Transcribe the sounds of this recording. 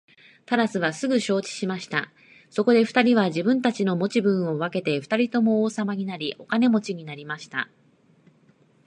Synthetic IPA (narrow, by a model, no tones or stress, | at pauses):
t̪aɾasɨβasɨɡɯ̟ɕo̞ːt͡ɕi̥ɕimaɕi̥t̪a̰ | so̞ko̞d̪e̞ɸɯ̥t̪aɾʲiβaʑibɯ̟̃nt̪at͡ɕino̞mo̞t͡ɕibɯ̟̃ɰ̃o̞β̞ake̞t̪e̞ɸɯ̟̥t̪aɾʲit̪o̞mo̞oːsamaɲ̟inaɾʲiʔo̞kane̞mo̞t͡ɕiɲ̟inaɾʲimaɕi̥t̪a̰